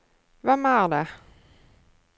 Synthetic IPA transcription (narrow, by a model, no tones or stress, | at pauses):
vɛmæʁd̪ɛ